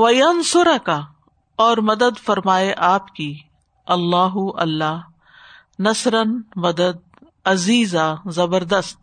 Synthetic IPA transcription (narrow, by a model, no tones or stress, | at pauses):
ʋɐjɐnsʊɾɐka | ɔːɾmɐd̪əd̪fɐɾmaːeʔaːpki | ɐlːaːɦuʔɐlːaː | nɐsɾɐnmɐd̪əd̪̚ | ɐziːzazɐbəɾd̪əst̪̚